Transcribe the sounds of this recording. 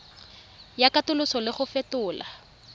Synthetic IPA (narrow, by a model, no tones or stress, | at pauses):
jakatʊlʊsɔlɪχʊfɛtʊːla̰